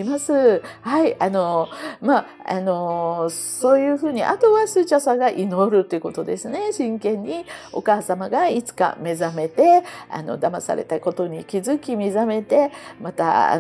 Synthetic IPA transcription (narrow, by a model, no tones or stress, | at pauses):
imasɨhaiano̞ma | a̰no̞ | so̞ːjɯ̟ːɸɯ̟ːɲ̟iʔa̰t̪o̞βasɨːt͡ɕasaɡaʔino̞ɾɯ̟t̪ːoiɯ̟ko̞t̪o̞d̪e̞sɨne̞ɕĩŋkẽ̞ɲ̟ːio̞̰kaːsamaɡait͡sɨ̥ka̰me̞zame̞t̪e̞a̰no̞̰d̪amasa̰ɾe̞̰t̪ako̞t̪o̞ɲ̟ikʲizɨkʲimʲizame̞t̪e̞mat̪a̰